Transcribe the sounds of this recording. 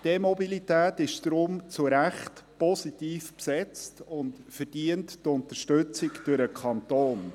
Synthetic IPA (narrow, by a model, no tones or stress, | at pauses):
d̥emɔbilitæːtɪʃd̥ɾʊmt͡sʊɾæχtpɔsitiːfpsɛt͡stʊntfəɾd̥iənttʊntəʃtɵt͡sɪkd̥ʊɾəkʰχɑnt̪oːn